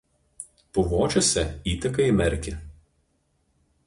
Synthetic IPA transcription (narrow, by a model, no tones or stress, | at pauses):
pʊʋoːt͡ʃʲosʲɛiːt̪ʲɐkɐɪmʲɛɾʲkʲɪ